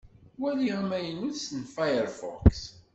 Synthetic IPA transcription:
wæliʁæmæjənuðsənfajəɾfɔ̰ks

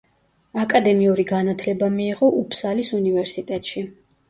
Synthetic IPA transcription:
akʼad̪ɛmiuɾiɡanat̪ʰlɛbamiːʁɔʔupʰsalisunivɛɾsit̪ʼɛt̪ʼʃi

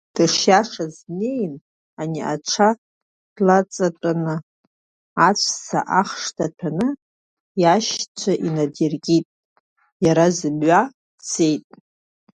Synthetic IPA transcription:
d̥ɨʂjaʂazne̞jn | aniʔa̰ʈ͡ʂʰa | d̥lat͡sʼatʼanɨ | at͡ɕʷʰsa̰ʔaχʂtʰatʰanɨ | jaʃt͡ɕʷʰaʔinadirɡʲʼitʼ | jaɾazɨbɥa | t͡se̞jtʼ

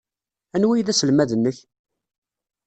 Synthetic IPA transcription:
ænwijðæsəlmæðənːəç

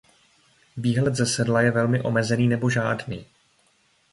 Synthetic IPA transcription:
viːɦlɛt̪zɛsɛdlajɛvɛlmɪʔo̞̰mɛzɛniːnɛbo̞ʒaːdniː

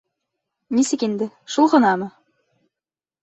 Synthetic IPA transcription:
nisɘ̆kind̪ɘ | ʃulˠʁɤ̆nɑmɤ

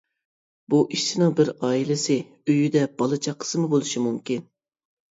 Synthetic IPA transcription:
b̥uʔiʃt͡ʃɪnɨŋbɪɾɑːilɪsɪ | øjyd̪ɛb̥ɑlˠɨt͡ʃʰɑqʰə̥sɨmɨbolˠuʃimumkʲin

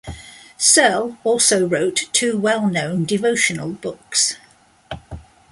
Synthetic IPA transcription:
sɜlɔˑlˠsəʊɹəʊtʰʉːwɛlˠnə̃ʊ̃ndɪvəʊʃənə̰lˠb̥ʊks

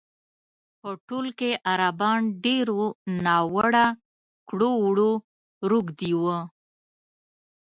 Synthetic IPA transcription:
pəʈolkeʔaɾabɑnɖeɾonɑwəɽa | kɽowɽo | ɾuɡd̪iwə

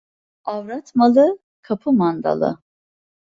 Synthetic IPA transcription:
avɾat̪ʰmalˠɯ | kʰapʰɯmand̪a̰lˠɯ̰

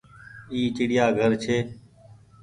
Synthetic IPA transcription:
iːt͡ʃɪɽɪjaːɡʱəɾt͡ʃʰeː

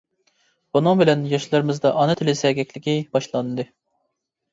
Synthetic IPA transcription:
b̥unɨŋbɪlɛnjɑʃlˠɑɾɨmɨzd̪ɑʔɑnɨt̪ʰɪlɪsɛɡʲɛkʲlɪkʲibɑʃlˠɑnɨd̪ɨ

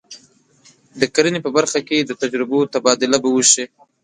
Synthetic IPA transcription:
d̪əkaɾinepəbaɾxaked̪ət̪ad͡ʒɾɪbot̪abɑd̪ɪlabawəʃi

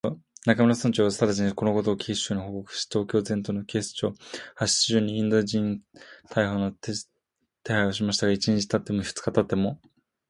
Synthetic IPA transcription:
nakamoɾasãɲt͡ɕo̞ːβast̪aɾat͡ɕiɲiko̞no̞ko̞t̪o̞ːkʲʰiɕoːɲ̟iho̞ko̞kɯ̥ɕt̪o̞ːkʲo̞ːzẽ̞nt̪o̞no̞kʲe̞ːsɨ̥t͡ɕo̞ːhaɕi̥ʑɨːɲ̟iĩnd̪o̞d͡ʑĩnt̪ʰaiɦono | t̪e̞haio̞ɕ̬imaɕi̥t̪aɡait͡ɕiɲit͡ɕi̥t̪at̪ːe̞moçɯ̟̥t͡sɨ̥kat̪at̪ːe̞mo̞

